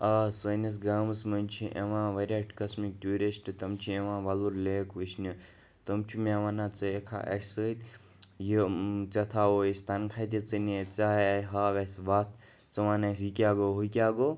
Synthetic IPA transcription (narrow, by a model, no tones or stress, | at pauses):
ɐsənɐs̬ɡaːmsmɐnʲt͡ʃʰiʔeʋãːʋɐɾʲɐʈkɐsmik̚ʈʲuːɾisʈt̪ɐmt͡ʃʰieʋãːʋɐluɾleːkʋit͡ʃʰnu | t̪ɐmt͡ʃʰimeʋaːnaːt͡sɨekʰa̰ʔɐ̰sʲsəit̪ | jit͡sɐt̪ʰaoist̪ɐnkʰat̪it͡sɨnit͡saːɦɦaːʋʲɐsbaːt̪ʰ | t͡sɐʋaːnɐsikʲaːɡoɦukʲaːɡo